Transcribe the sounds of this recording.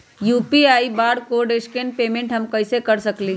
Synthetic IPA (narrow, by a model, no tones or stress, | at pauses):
juːpiaːibaːɽkoːɖeskenpeːmẽɳʈɦɐmkɐɪsekɐɾsɐkli